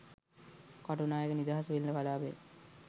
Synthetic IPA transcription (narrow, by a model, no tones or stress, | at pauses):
kaʈunaːjəkənid̪aːɦasʋeld̪əkalaːbḛ